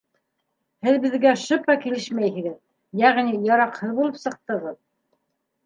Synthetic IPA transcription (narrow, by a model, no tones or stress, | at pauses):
hɘðbɘ̆ðɡæʃɤpɑkilɘʃmæjɦɘ̆ɡɘð | jæʁnijɑɾɑqhɤðbulˠɤpsɤ̆q̚t̪ɤʁɤð